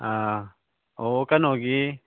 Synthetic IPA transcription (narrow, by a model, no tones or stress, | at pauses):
a | okanoɡi